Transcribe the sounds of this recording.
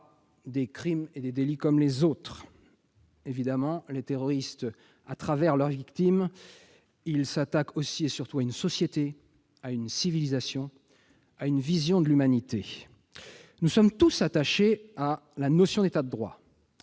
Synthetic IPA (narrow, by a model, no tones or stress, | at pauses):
d̪ekχimed̪ed̪elikɔmlezot̪χ | evid̪amɑ̃let̪eʁɔʁist̪ | at̪χavɛʁlœʁvikt̪im | ilsat̪akʰosiesyʁt̪uaynsɔsjet̪e | aynsivilizasjɔ̃ | aynvizjɔ̃d̪əlymanit̪e | nusɔmt̪usat̪aʃealanɔsjɔ̃d̪et̪ad̪əd̪ʁwa̰